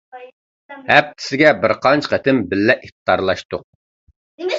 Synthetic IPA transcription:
hɛp̚t̪ʰɪ̥sɪɡʲɛbɪɾqʰɑnt͡ʃʰqət̪ʰɪmbɪlːɛʔiχt̪d̪ɑɾlˠɑʃt̪ʊq̚

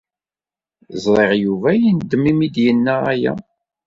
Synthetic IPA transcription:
zˤɾˤeʁjuvæjind̪ːəmimid̪jənːææjæ̰

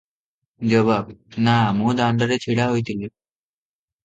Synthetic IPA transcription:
d͡ʑəbabnamũːd̪aɳɖəɾet͡ɕʰiɽaɦojt̪ile

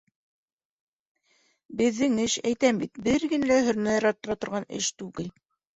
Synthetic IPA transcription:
bɘ̆ðːɘŋɘʃæjt̪æmbit̪bɘɾɡɘ̆nælæɦɵ̆ɾnæjɑɾɑt̪ːɤ̆ɾɑt̪ŏɾʁɑnɘ̰ʃt̪ʉɡɘl

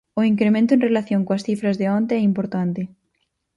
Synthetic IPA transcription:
oiŋkɾemẽnt̪̬oẽnrelaθjõŋkoasθifɾazðeõnt̪eɛimpoɾt̪ant̪e

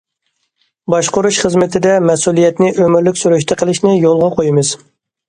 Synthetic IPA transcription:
bɑʃqʊɾuʃχəzmɪt̪ʰɪd̪ɛmɛsulˠijɛt̪nɪʔømɪɾlɪkʲsuɾyʃt̪ʰɨqʰəlˠɪʃnɪjolˠʁɑqʰojimɨz̥

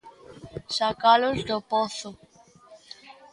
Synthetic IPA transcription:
sakalozd̪opoθo

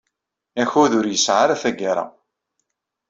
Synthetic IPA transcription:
æçʊðʊɾjəsʕaɾæθæɡaɾˤa̰

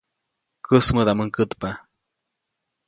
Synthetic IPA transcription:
kəsməd̪aməŋkət̪pa

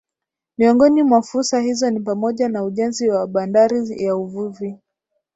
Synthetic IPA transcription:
miɔŋɡɔnimwafuɾsahizɔnipamɔʄanauʄɛnziwaɓandaɾijauvuvi

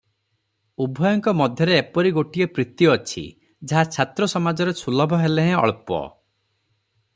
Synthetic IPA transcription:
ubʱɔjɔŋkɔmɔd̪ʱjɔɾeːpɔɾiɡoʈijɔpɾit̪jɔːt͡ʃʰḭ | d͡ʒaɦat͡ʃʰat̪ɾɔsɔmad͡ʒɔɾet͡ʃʰulɔbʱɔɦeleɦɛ̃ɔ̰ɭpɔ̰

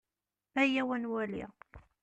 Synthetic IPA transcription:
æjæwænwælḭ

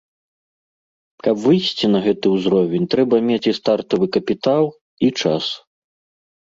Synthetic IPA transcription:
kɐpvɨjsʲt͡sʲinɐɣɛt̪ɨuzɾɔvʲɛnʲt̪ɾɛbɐmʲet͡sʲist̪art̪ɐvɨkɐpʲit̪alˠ | it͡ʂas

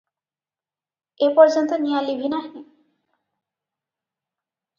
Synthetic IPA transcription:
epɔɾd͡ʑont̪onijalibʱinaɦe

